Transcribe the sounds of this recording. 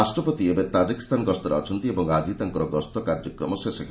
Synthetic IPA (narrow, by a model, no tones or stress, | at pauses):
asʈɾɔpot̪iebet̪ad͡ʒiki̥st̪ʰanɡɔst̪ɔɾeɔ̰t͡ʃʰɔnt̪iebɔŋad͡ʒit̪aŋkɔɾɔɡɔst̪ɔkaɾd͡ʒɔkɾɔmɔsesekʰ